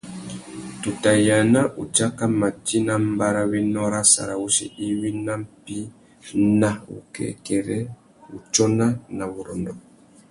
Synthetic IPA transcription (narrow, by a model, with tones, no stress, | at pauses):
tu˨ta˨ja˨na˦ʔu˨t͡ʃa˦ka˦ma˨ti˦na˦m˦ba˦ɾa˦wi˦nɔ˦ɾa˦sa̰˨ɾa˨wu˦sḭ˦ʔi˦wi˦na˦m̩˦pi˦ | na˨ṵ˨kɛ̰˨kɛ˨ɾɛ˦ | ṵ˨t͡ʃɔ˦na˦na˨βu˨ɾɔ˨ndɔ˨